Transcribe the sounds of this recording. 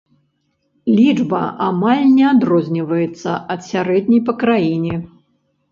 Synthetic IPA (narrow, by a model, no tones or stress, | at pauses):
lʲid͡ʐbɐ̰ʔamalʲnʲɛad̪ɾɔzʲnʲivɐjɛt̪sːɐ̰ʔɐt̪sʲaɾɛd̪ʲnʲɛjpɐkɾajinʲɛ